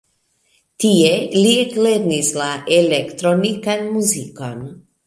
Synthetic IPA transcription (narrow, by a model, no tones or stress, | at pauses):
tielitleɾnislaʔelekt̪ɾonikanmuziko̞n